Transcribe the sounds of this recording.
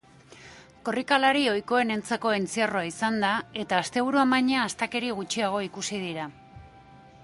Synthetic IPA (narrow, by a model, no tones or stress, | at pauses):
ko̞rikalaɾio̞jko̞e̞ne̞nt͡sako̞ent͡siaroaisand̪ae̞t̪aːst̪e̞β̞uɾuambajɲaːst̪ake̞ɾiɣ̞ut͡ʃiaɣ̞o̞ikusið̞iɾa